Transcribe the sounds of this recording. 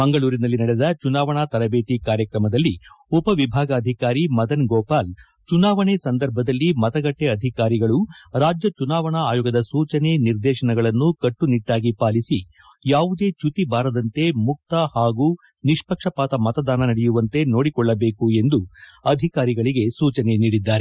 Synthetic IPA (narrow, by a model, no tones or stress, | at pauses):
mɐŋɡɐɭuːɾinɐlːinɐɽeɛd̪ɐt͡ʃunaːʋɐɳat̪ɐɾɐbeːʈikaːɾjɐkɾɐmɐd̪ɐlːiupɐʋibʱaːɡɐːd̪ʱikaːɾimɐd̪ɐnɡoːpaːl | t͡ʃunaːʋɐɳesɐnd̪ɐɾbʱɐd̪ɐlːimɐt̪ɐɡɐʈːeɐd̪ʱikaːɾiɡɐɭuɾaːd͡ʒjɐt͡ʃunaːʋɐɳɐaːjoːɡɐd̪ɐsuːt͡ʃɐne̞niɾd̪ɛːʃɐɳɐɡɐɭɐnːukɐʈːuniʈːaːɡipaːlisi | jaːʋud̪e̞ːt͡ʃut̪ibaːɾɐd̪ɐnt̪e̞muk̚t̪ɐhaːɡu | niʂpɐkʂɐpaːt̪ɐmɐt̪ɐd̪aːnɐnɐɽɛjuʋɐnt̪e̞no̞ːɽikɔɭːɐbe̞ːkue̞nd̪uɐd̪ʱikaːɾiɡɐɭiɡe̞suːt͡ʃɐne̞niːɽid̪ːaːɾe